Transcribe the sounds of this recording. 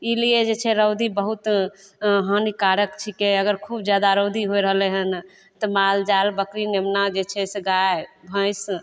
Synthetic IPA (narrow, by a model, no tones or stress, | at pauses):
ilied͡ʒet͡ʃʰɛɾəwd̪ibəɦut̪ | ɦənikaɾəkt͡ʃʰikeəɡəɾkʰubd͡ʒjad̪aɾəwd̪iɦoɾəɦleɦən | t̪ɔmald͡ʒalbəkɾinemnad͡ʒet͡ʃʰɛseɡaebʱə̃js